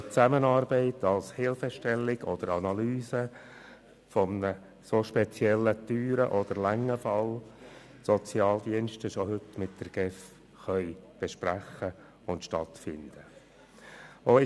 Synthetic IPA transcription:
t͡sæmənɑːɾbɛɪtɑlshɪlfəʃtɛlːɪɡ̥ɔd̥̪əɾɑnɑlyːsə | fɔmnə | soʃpɛt͡sjɛlːət̪yːɾəʔɔd̪̥əɾlæŋːəfɑl | sɔt͡sjɑːld̪iənʃtəʃɔhʏtmɪt̚d̥̪əɾɡ̥ɛf | χœʏb̥ɛʃpɾæχə | ʊntʃtɑtfɪnd̪̥ə | oɪ

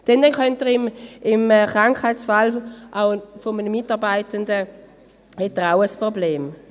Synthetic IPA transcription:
d̥ɛnd̥ɛnkœntəʁɪmɪmːχʁaŋkχhaɪtsfalʔaʊfominəmɪtɑʁbaɪtəndə | hɛtːəʁaʊəspʁobleːm

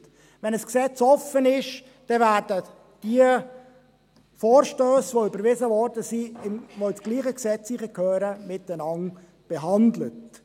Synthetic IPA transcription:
vɛnəsksɛt͡sɔfənɪʃ | d̥ɛvæːɾdə | d̥iə | fɔːɾʃtøːsʋoʏbəɾvɪzəvɔɾdəsiɪʋoɪsɡ̥liːχəksɛt͡sliχəkʰøːɾəmɪtənɑŋ | b̥ɛɦɑndlət

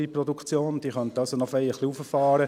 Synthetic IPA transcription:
ipɾɔd̪ukt͡sjoːnd̥̪iːχœnt̪əɑlsonɔfɛɪjəχliufəfɑːɾə

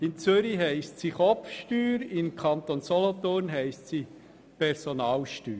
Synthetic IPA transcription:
ɪnt͡søɾiɦɛɪstsiχɔfʃtyːɾɪmkʰɑnt̪onsɔlɔt̪oːɾnɦɛɪstsi | pʰɛɾsonɑːlʃtyːɾ

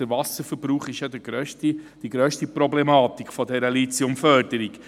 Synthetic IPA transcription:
əɾvɑsəɾfəɾbɾuːχɪʃjɑd̪əɡɾœʃtid̥iɡɾœːʃtipɾɔblɛmɑːt̪ikχfɔdɛɾəlit͡siʊmfœɾdəɾik

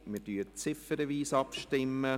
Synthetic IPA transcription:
mɪɾdyːət͡sɪfəɾəʋiːsɑpʃtɪmːə

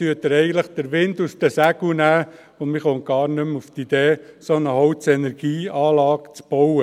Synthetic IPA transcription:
tyət̪əɾɛɪɡən̩t̪ləχd̥̪əɾʋɪndust̪əsæɡunæː | ʊnmɪχoŋɡ̥ɑːɾnʏmuft̪id̪eːsonəhɔwtt͡sɛnɛɾɡ̥iːɑːlɑːkt͡sb̥ɔwə

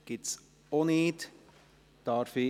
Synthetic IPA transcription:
ɡ̥ɪts | oneːt | d̥ɑɾfi

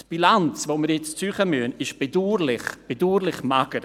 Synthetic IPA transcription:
tb̥ilant͡svoːmiɾjɛt͡st͡syːχəmyənɪʃb̥eduːɾlɪχb̥eduːɾlɪχmaɡ̥əɾ

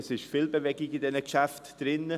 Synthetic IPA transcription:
sɪʃfiːlbevɛɡɪɡɪdɛnəkʃæftd̥ɾɪnə

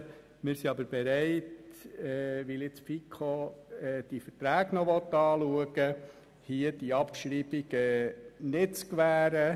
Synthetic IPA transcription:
mɪɾsiɑbəɾb̥ɛɾæɪtɛːʋɪlɪt͡sfikʰoɛːd̥ifəɾtɾæːɡnɔʋɔt̪ɑːluəɡə | hiəd̥iɑpʃɾib̥iɡ̥ɛnɪtt͡skʋæːɾə

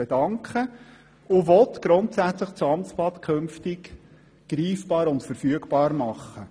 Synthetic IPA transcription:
ɛd̥ɑŋkχə | ʊvɔt̪ɡ̥ɾʊntsæt͡sləχt͡suɑmt͡splɑt̪kʰɵmftɪk | ɡ̥ɾiːfb̥ɑːɾʊntfəɾfyəɡbɑːɾmɑχːə

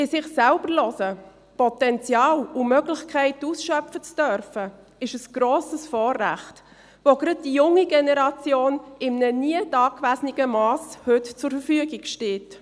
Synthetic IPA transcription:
ɪsɪχsælbəɾlɔsə | pɔtɛnt͡sjɑːlʊmœɡlɪçkʰɛɪtuːsʃœpfət͡sd̥œɾfə | ɪʃəsɡ̥ɾoːsəsfɔːrːæ̰χt | ʋoɡɾɑd̚d̥ijʊŋːiɡɛnɛɾɑt͡sjoːnɪmnəniədɑːkʋæsnɪɡəmɑːshɵtt͡sʊɾfəfyəɡɪɡʃteːt

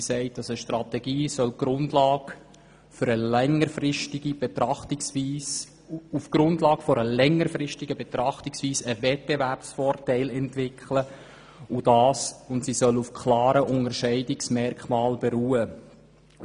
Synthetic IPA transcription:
sɛɪt̚d̥ɑsəʃtrɑt̪ɛɡiːsœlɡ̥ɾʊndlɑːɡ | fʏɾəlɛŋːəɾfɾɪʃtɪɡ̥ib̥ɛt̪ɾɑχtɪksviːs | ufɡ̥ɾʊndlɑːɡ̥fɔɾəlɛŋːəɾfɾɪʃtɪɡ̥əbɛt̪ɾɑχtɪksviːsəvɛt̚b̥eværpsfɔːrtæɪlɛntʋɪkʰlə | ʊd̥ɑːsʊntsisœlufkʰlɑːɾəʔʊnəɾʃɛɪdɪksmɛrkχmɑːlbɛɾuːə

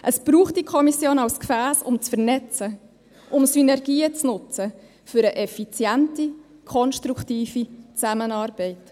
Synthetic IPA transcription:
ʔəsb̥ɾuːχtdikʰɔmisjoːnawskfæːsʊmt͡sfəɾnɛt͡sə | ʔʊmsynɛɾɡ̥iːət͡snʊt͡sə | fʏɾəʔɛfit͡sjæntikʰɔnʃtɾuktiːfit͡sæmənɑːɾb̥ɛɪt

